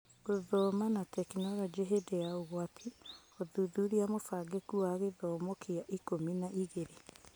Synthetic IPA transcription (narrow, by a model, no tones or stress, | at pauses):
ɣoðɔːmanatɛkinɔɾɔd͡ʒeɦedeaoɣwatʰioðuðuɾiamofaɡekuaɣeðɔmokʰiaʔikominaʔiɣeɾe